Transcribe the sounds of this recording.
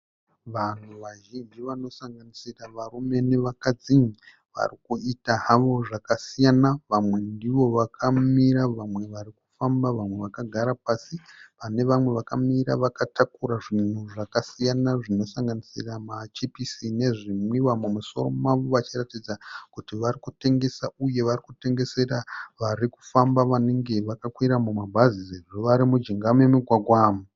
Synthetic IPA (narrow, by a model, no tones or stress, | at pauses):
ʋan̤uʋaʒind͡ʒiʋano̞saŋɡanisiraʋarume̞neʋakad͡ziɲi | ʋa̰rikuitaɦaʋo̞ʐakasijanaʋamwe̞ndiʋo̞ʋakʰamiɾaʋamwe̞ʋaɾikufambaʋamwe̞ʋakaɡʱaɾapasipane̞ʋamwe̞ʋakamiɾa̰ʋakatakuɾaʐin̤uʐakasijanaʐino̞saŋɡanisiramat͡ʃipisine̞ʐimiwamumuso̞̰ro̞̰maʋoʋat͡ʃiratid͡zakutiʋarikute̞ŋɡe̞sauje̞ʋarikute̞ŋɡe̞se̞raʋaɾiku̥fambaʋane̞ŋɡe̞ʋakakwiɾamumabʱazizeʐoʋaɾimud͡ʒiŋɡamemuɡʱwaɡʱwaːmu